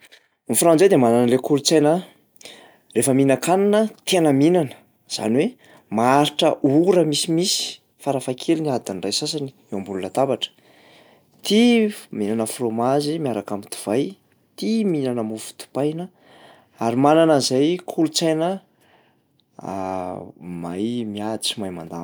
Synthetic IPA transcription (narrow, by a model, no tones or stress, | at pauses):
nifɾãd͡zajd̪emananəlekulut͡sajnə | refəminakananət̪enəminanə̥ | z̥a̰nwe | maaɾiʈ͡ʂəʔuɾəmisimisi̥ | faɾafakʰeliniad̪anrajsasani̥ | ewambulunat̪abaʈ͡ʂə̥ | t̪iminanəfromazimiaɾakamit̪u̥v̥aj | t̪iminanəmufu̥t̪u̥pajnə | aɾimananəzajkʰulut͡sajnə | a̰ | ma̰jmiad̪it͡simajma̰nd̪a̰